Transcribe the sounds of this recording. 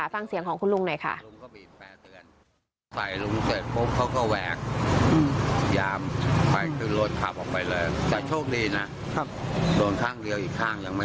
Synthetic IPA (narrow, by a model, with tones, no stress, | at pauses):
a˨˦fa˧˩ŋsi˩˦əŋkʰɔː˩˦ŋkʰu˧nlu˧˥˩ŋna˧˩jkʰa̰˥˩ʔu˧ŋkɔː˥˩biː˨˩t̪̚pɛː˨˩t̪ɯ˧ən | sa˨˩jlu˧ŋseː˨˩t̪̚pʰo˦˥p̚kʰa˦˥wkɔː˥˩wɛː˨˩k̚ː | jaː˧mpa˧jkʰɯ˥˩nlo˦˥˩t̪̚kʰa˨˩p̚ʔɔː˨˩k̚pa˧jlɤː˧jt̪ɛː˨˩t͡ɕʰoː˥˩k̚diː˧na˦˥˦ | doː˧nkʰaː˥˩ŋli˧wʔiː˨˩k̚t̪ʰaː˥˩ŋja˧ŋma˥˩